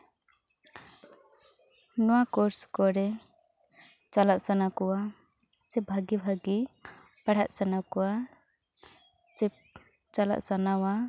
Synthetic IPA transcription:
nɔwakɔɾskɔɾɛ | t͡ʃalaʔsanakɔwa | sɛbʱaɡibʱaɡi | paɽ̤aʔ̪̚sanakɔwa | t͡ʃɛ | t͡ʃala̰ʔsanawa

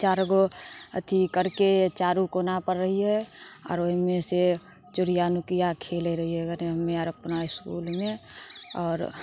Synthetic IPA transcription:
t͡ʃaːɾɡoə̰t̪ʰikəɾket͡ʃaːɾukonapəɾːəɦiɦɛɔ̰ːɾoɦimẽse | t͡ʃʊɾijanukijakʰeːleɾəɦiɦɛɡəneɦəmːẽaɾəpnaɪskṵːlmẽɔːɾ

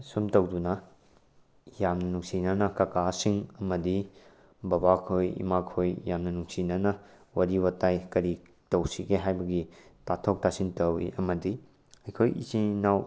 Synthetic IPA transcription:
sumtɐwdunɐ | jamnɐnuŋsinɐnɐkɐkasiŋɐmɐdi | bɐbakʰojḭmakʰojjamnɐnuŋsinɐnɐ | wɐɾiwɐtajkɐɾi | tɐwsiɡeɦajbɐɡitatʰok̚tasintɐwḭʔɐmɐdi | ɐjkʰojḭsinaw

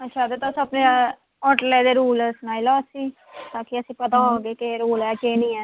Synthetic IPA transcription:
ətːʃʰaːd̪eːt̪osəpneː | ɔːʈlɛːd̪eːɾuːlsnaːilaːsĩː | t̪ãːkɪəsĩːpət̪ãːoːɡeːkeɾoːlɛːkeːnĩːɛː

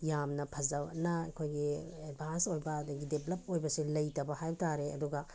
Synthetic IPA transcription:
jamnɐpʰɐzɐnɐkʰojɡied̚bʱansojbɐːdɐɡideplɐp̚ojbɐsilɐjtɐbɐhajbtaɾeɐ̰duɡɐ

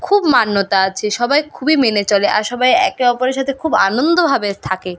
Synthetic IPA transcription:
kʰubmanːot̪aat͡ɕʰeʃɔbajkʰubimenet͡ɕɔleʔaɾʃɔbajɛ̰keɔpoɾeɾʃat̪ʰekʰubanond̪obʱabet̪ʰake

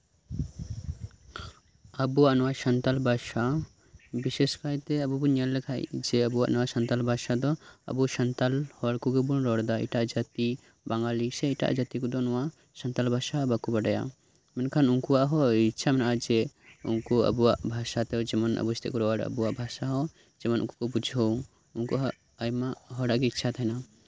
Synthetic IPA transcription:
əbuaʔnɔwaʃənt̪albʱaʃa | biseskajt̪ɛəbubuɲalːɛkʰajd͡ʒɛəbuwa̰ʔnɔwasənt̪albʱaʃad̪ɔə̰buʃənt̪alhɔaɽkuɡɔbunɾɔɽd̪aḭʈaʔd͡ʒat̪i | baŋɡalisɛiʈa̰ʔd͡ʒat̪ikud̪ɔnɔwa | sənt̪albʱaʃabakubəɖaja̰ | mɛnkʰanuŋkuwaʔɦɔitːʃʰamɛnad͡ʒɛṵŋkɔə̰buwaʔbʱaʃat̪ɛd͡ʒɛmənə̰bust̪ʰḛkɔɾɔaɽə̰buwaʔbʱasaɦɔ | d͡ʒɛmənṵŋko̥kɔbud͡ʒʱo | uŋkoɦː | jmaɦɔɽaʔkeitːʃʰat̪ʰajna

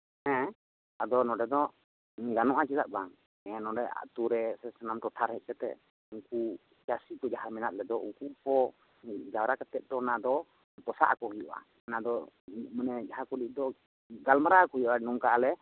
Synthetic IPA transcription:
ɛ̃ | ad̪ɔnɔɖɛd̪ɔ | ɡanɔʔat͡ʃitaʔ̪̚baŋ | ɛ̃nɔɖɛʔa̰t̪uɾɛsɛsanamʈɔʈʰaɾhɛʔ̚ˀt͡ʃɛt̪ɛ̰ | uŋku | d͡ʒasikɔd͡ʒaɦaɾmɛnat̪̚lɛd̪ɔṵŋkupɔ | d͡ʒawɾakat̪ɛt̪̚d̪ɔnad̪ɔ | pɔsa̰ʔkɔhujɔ̰ʔa̰ | nad̪ɔ | mənɛd͡ʒaɦakuliʔ̚d̪ɔ | ɡalmaɾakɔɦujʔɔʔanɔŋkaʔalɛ

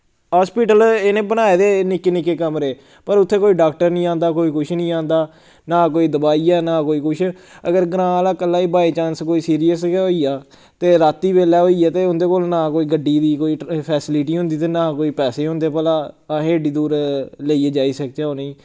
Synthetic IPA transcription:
ɦaːspiːʈəlenẽːbənaːeːd̪eːnɪkːeːnɪkːeːkəmɾeː | pəɾʊt̪ʰːeːkoːiːɖaːk̚ʈəɾnĩːãːnd̪aːkoːiːkʊt͡ʃʰnĩːãːnd̪aː | naːkoːiːd̪əbaːiːɛːnaːkoːiːkʊt͡ʃʰ | ə̰ɡəɾɡɾãːlaːkəlːaːiːbaːit͡ʃãːnskoːiːsiːɾijəsoːiːaː | t̪eːɾaːt̪ːiːbeːlɛːɦoːiːaːt̪eːʊnd̪eːkoːlnãːkoːiːɡəɖiːd̪iːkoːiːpʰɛːsɪlɪʈiːɦʊ̃nd̪iːt̪eːnaːkoːiːpɛːseːɦõnd̪eːpəːlaː | ɦeːɖiːd̪uːɾleiːeːd͡ʒaːiːsək̚t͡ʃɛːoːnĩː

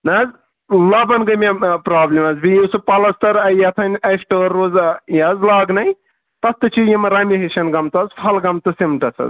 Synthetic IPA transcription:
nɐz | lɐbɐnɡɐmʲepɾaːblʲimɐzbijisɨpɐlɐst̪ɐɾɐjɐt̪ʰɐnʲɐsʈɐːɾːozjɐzlaːɡnɐj | t̪ɐst̪ɨt͡ʃʰijimɐɾɐmʲiɦiʃɐnɡɐmt̪ɐzpʰɐlɡɐmt̪ɐsimʈɐsɐ̰z

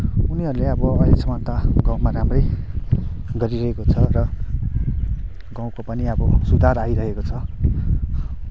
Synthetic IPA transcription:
uniɦʌɾuleʌbʌʌjlesʌmʌt̪aɡãw̃maramrʌj | ɡʌɾiɾʌɦekot͡sʰʌɾʌ | ɡãw̃kopʌniʌbʌsud̪ʱarajɾʌɦekot͡sʰʌ

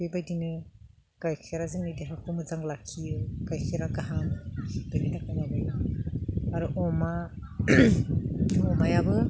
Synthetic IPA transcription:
bebajdinɯ | kajkʰeɾazɯŋnideɦakʰumɯzaŋlakʰijɯkajkʰeɾaɡaɦandɯlinakanabajɯ | aɾuʔɔma | ɔmajabɯ

